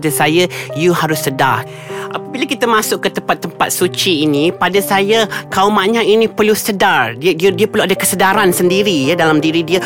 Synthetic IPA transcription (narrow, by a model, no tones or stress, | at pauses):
dasajəjuhaɾʊsːədar | ʔapəbiləkit̪əmãsʊkkːət̪əmpat̪ːəmpat̪̚sut͡ʃiːnipadasajakaumaʔɲainĩpərlusədardididiəpərluadakəsədaɾansəndiɾijadalamdiɾidiə